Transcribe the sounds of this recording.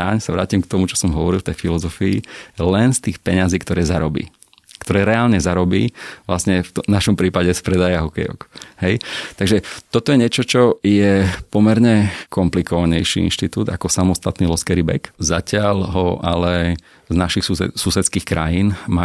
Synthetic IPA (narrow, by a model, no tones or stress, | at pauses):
aɲsaʋɾaːcimkt̪ɔmut͡ʃɔ̥sɔmɦɔʋɔɾilft̪ɛjfilɔzɔfiilɛnst̪iːxpɛɲaziːkt̪ɔɾɛːzaɾɔbḭː | kt̪ɔɾɛːɾɛaːlɲɛzaɾɔbiːʋlasɲɛft̪ɔnaʃɔmpɾiːpaɟɛspɾɛd̪ajaɦɔkɛjɔ̰khɛjt̪aɡʒɛt̪ɔt̪ɔjɛɲɪɛt͡ʃɔt͡ʃɔjɛpɔmɛɾɲɛkʰɔmplikɔʋaɲɛjʃḭḭnʃt̪it̪uːd̪a̰kɔsamɔst̪at̪niːlɔskɛɾibɛ̰kzacɪaʎɦɔʔalɛ | znaʃixsuɛsusɛt̪skiːxkɾajinma